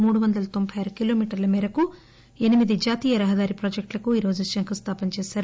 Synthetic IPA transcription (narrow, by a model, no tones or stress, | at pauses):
muːɽuʋɐnd̪ɐlɐt̪o̞mbʰʱɐjɐɾɐkilo̞ːmiːʈɐɾlɐmɛːɾɐku | e̞nimid̪id͡ʒaːt̪iːjɐɾɐɦɐd̪aːɾipɾoːd͡ʒek̚ʈlɐkuiːɾo̞ːd͡ʒuʃɐŋkust̪ʰaːpɐnt͡ʃɛːsaːɾu